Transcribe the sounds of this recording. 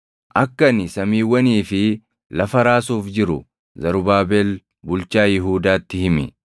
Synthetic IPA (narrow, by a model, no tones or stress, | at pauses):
ʔɐkːɐnɪsɐmiːwːɐniːfɪ | lɐfɐɾaːsuːfd͡ʒɪɾʊ̰ | zɐɾʊbaːbeːl | bʊlt͡ʃaːjɪɦuːd̪aːt̪ːɪhɪmɛ̰